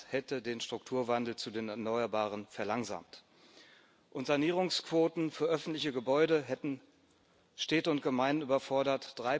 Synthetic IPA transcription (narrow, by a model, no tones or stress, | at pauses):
hɛtədeːnʃtʁ̥ʊktʰuːɐvandl̩t͡sudeːnɛɐnɔʏɐbaːʁ̞ənfɛɐlaŋza̰ːmt | ʔʊntz̥aniːʁ̞ʊŋskv̥oːtn̩fyːɐʔœfn̩tlɪçəɡəbɔʏɾəɦɛtn̩ | ʃtɛːtəʊnt̚ɡ̥əmaɪnnyːbɐfɔɐɾɐtd̥ʁaɪ